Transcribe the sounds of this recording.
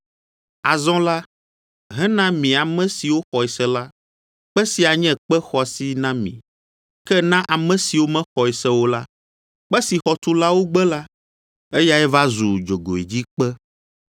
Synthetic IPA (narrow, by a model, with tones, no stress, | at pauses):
a˨zɔ̃˦la˦ | ɦɛ̃˦nã˦mĩ˨a˨mɛ̃˦si˨wo˦xɔ˨ɛ˨sɛ˦la˦ | k͡pɛ˦si˨a˨ɲɛ̃˦k͡pɛ˦xɔ˨si˦nã˦mḭ̃˨ | kɛ˦nã˦ʔa˨mɛ̃˦si˨wo˦mɛ̃˦xɔ˨ɛ˨sɛ˦wo˦la˦ | k͡pɛ˦si˨xɔ˨t̪u˦la˦wo˦ɡ͡bɛ˦la˦ | e˦ja˦ɛ˦va˦zu˨d͡ʒo˨ɡo˨ḭ˨d͡ʑi˦k͡pɛ˦